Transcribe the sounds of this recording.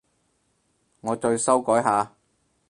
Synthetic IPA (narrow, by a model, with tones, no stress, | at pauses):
ŋɔː˨˧t͡ʃɵ˧ɥsɐ˥wkɔː˨˥jɦaː˨˧